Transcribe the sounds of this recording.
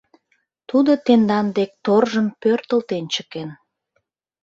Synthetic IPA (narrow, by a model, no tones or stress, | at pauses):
t̪ud̪ət̪end̪ɑnd̪ek̚t̪orʒəmpørt̪əlt̪ent͡ɕəken